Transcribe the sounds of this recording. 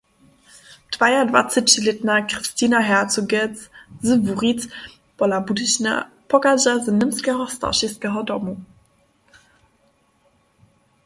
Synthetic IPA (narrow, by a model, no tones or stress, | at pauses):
d̥vajadva̰t͡sɪt͡ɕɪlɪtnakʁ̥ɨstiːnaɦɛʁtt͡suɡɛt͡szəvuʁit͡s | b̥ɔlabudɪɕna̰ | pʰɔɡaʑazənɪmskɛɦɔsta̰ʃɛskɛɦɔdɔmu